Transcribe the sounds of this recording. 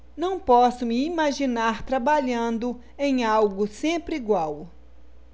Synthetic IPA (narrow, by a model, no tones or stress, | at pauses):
nɐ̃w̃pɔsʊmɪimaʒinaɾt̪ɾabaʎɐ̃nd̪ʊ | ẽj̃awɡʊsẽpɾɪiɡwaw